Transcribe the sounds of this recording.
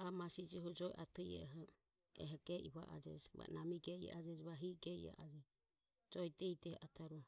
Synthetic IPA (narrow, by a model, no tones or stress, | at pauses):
amasid͡ʒiɦɔd͡ʒɔjʔat̪ɛjɛ̰ɦɔ | ɛ̰ɦɛɡɛʔiβaʔad͡ʒɛ̰d͡ʒɛβa̰namiɡɛia̰ʔad͡ʒɛd͡ʒɛβaɦiɡɛḭa̰ʔad͡ʒɛ | d͡ʒɔjtɛjtɛhɛʔat̪ʰaɾu